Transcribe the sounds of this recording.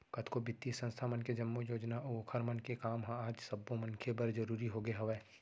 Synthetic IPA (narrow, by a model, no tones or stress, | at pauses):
kɐt̪ʰkobɪt̪ːisə̃nst̪ʰamənked͡ʒɐmːojoːd͡ʒnaʔʊkʰəɾmənkekaːmɦãaːd͡ʒsɐbːõmɐnkʰebɐɾd͡ʒɐɾuːɾiɦoɡeɦɐʋɛː